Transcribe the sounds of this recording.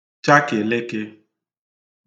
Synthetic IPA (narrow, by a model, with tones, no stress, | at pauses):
t͡ʃa˦ke˨le˦ke˦